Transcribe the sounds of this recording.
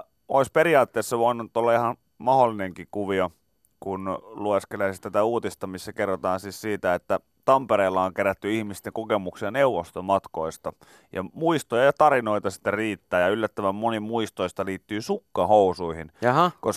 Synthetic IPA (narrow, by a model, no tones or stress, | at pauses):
o̰ispeɾiɑːt̪ːeːsːɑʋoinunt̪ːolːɑihɑn | mɑholːineŋkikuʋio | kunlueskelæist̪æt̪æuːt̪ist̪ɑmisːækerːot̪ɑːnsiːssiːt̪æet̪ːæ | t̪ɑmpeɾeːlːɑoŋkeɾæt̪ːyihmist̪eŋkokemuksiɑneuʋost̪omɑt̪koist̪ɑ | jɑ̰muist̪ojɑjɑt̪ɑɾinoit̪ɑsi̥t̪ːeriːt̪ːæːjɑylːæt̪ːøʋæmmonimuist̪oist̪ɑliːt̪ːyːsukːɑhousuihinkos